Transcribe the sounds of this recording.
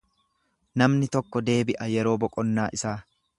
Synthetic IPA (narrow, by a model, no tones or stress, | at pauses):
nɐmnɪt̪ɔkːɔd̪e̞ːbɪʔɐjɛɾo̞ːbɔkʼɔnːaːʔɪsaː